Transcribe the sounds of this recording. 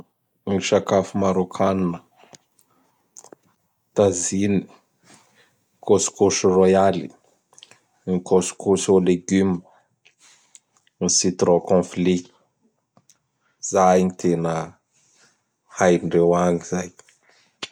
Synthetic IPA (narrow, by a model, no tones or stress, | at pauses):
ŋʃakafumaɾokʰaninə | t̪azini | kosu̥koʃirojalḭ | ŋikʰosu̥kusoleɡym | nsit̪rokɔ̃fli | z̥ajɲit̪ʰenə | hajɳɖ͡ʐewaɲiz̥aj